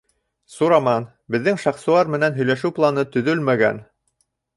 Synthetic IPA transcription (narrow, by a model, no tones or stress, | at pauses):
suɾɑmɑn | bɘ̆ðːɘŋʃɑχsuɑɾmɘ̆nænɦɵ̆jlæʃɘwplˠɑnɤt̪ɵ̆ðɵlmæɡæ̰n